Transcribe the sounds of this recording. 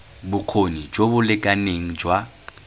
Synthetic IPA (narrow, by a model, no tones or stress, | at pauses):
bʊq͡χʰonid͡ʒobʊlɪkʼaneŋ̩d͡ʒwa